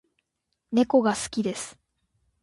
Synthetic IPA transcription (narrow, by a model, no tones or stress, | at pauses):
ne̞ko̞ɡasɨ̥kʲid̪e̞sɨ̥